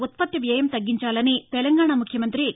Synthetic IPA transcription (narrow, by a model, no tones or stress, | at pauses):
ut̪̚pɐt̪ːɐʋjɐjɐmt̪ɐɡːiɲt͡ʃaːlɐnit̪ɛlɐŋɡaːɳamukʰjɐmɐnt̪ɾi